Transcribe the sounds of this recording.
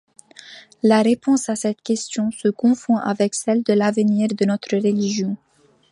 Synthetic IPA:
laʁepɔ̃sasɛt̪kʲɛst̪jɔ̃səkɔ̃fɔ̃ʔavɛksɛld̪əlavəniʁd̪ənɔt̪χəʁəliʒjɔ̃

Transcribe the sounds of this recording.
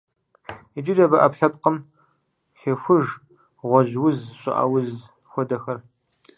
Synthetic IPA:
id͡ʒɪdɐbɐʔɐpɬɐpqəm | xexʷʊʒ | ʁʷɔʑwʊzɕʼɪ̰ʔɐ̰wʊz | xʷɔdɐxɐr

